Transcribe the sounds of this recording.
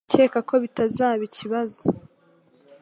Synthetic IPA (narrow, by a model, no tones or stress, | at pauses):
ce̞ːkako̞βitazaːβiciβazo